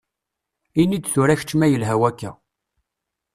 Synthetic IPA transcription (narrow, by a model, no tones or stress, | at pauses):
inid̪θuɾæçə̥t͡ʃːmæjəlɦæwækːæ